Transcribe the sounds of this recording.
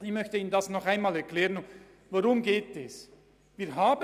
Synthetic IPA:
ɪçmœçtəiːnəndasnɔχaɪnmaːlɛɾklɛːʁən | voɾʊmɡeːtɛs | viːɾɦaːbə

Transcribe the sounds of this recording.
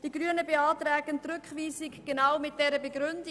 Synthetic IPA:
d̥iɡɾyənəbeɑːtɾɛːɡəntɾʏkχʋiːsɪkɡ̥enawmɪt̚d̥ɛɾəbeɡɾʏndi

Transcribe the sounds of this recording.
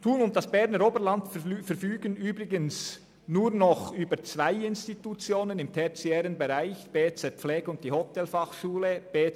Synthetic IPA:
tʰuːnʊnt̚d̥ɑsb̥ɛɾnəɾoːbəɾlɑntffɛɾfyːɡənyːbɾɪɡəns | nuːɾnɔχyːbət͡svaɪɪnstitut͡sjoːnənɪmtʰɛt͡siɛːɾənbɛɾaɪçb̥eːt͡sɛt̚p͡fflɛːɡ̥əʊnt̚d̥iːhɔtʰɛlfɑχʃuːləb̥eː

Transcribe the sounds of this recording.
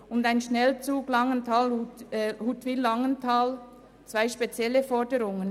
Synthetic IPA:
ʊndaɪnʃnɛlt͡suːɡlɑŋəntʰaːlhuthuːtʋilːɑŋəntʰaːl | t͡sv̥aɪʃpet͡sjɛləfɔɹdəɾʊŋən

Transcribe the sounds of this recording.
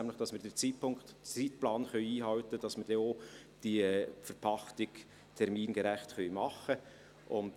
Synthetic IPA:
næmlɪχd̥ɑsmɪːɾdɛt͡siːtpʰʊŋktt͡siːtplɑːnχœʏiːɦɑltəd̥ɑsməd̥ɛo | d̥iɛfəɾpʰɑχtɪɡ̥ | tʰɛɾmiːnɡɛɾɛχtχœʏmɑχə | ʔʊn

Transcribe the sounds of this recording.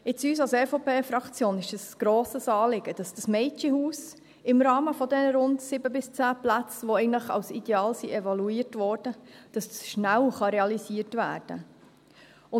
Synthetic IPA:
ɪt͡syːs̬ɑlsɛfopʰeːfɾɑkt͡sjoːnɪʃəsɡ̥ɾoːsəsɑːlɪɡ̥əd̥ɑsd̥ɑsmɛɪt͡ʃihuːs | ɪmɾɑːməfɔdɛnəɾʊndsɪbəbɪst͡sæːplæt͡sʋoɛɪɡəntləχɑ̰wsḭd̥ɛɑːlsiʔɛvɑluiːətʋɔːɾd̥əd̥ɑst͡sʃnælχɑɾeɑlisiːəɾtvæːɾd̥ə̰ | ʊ

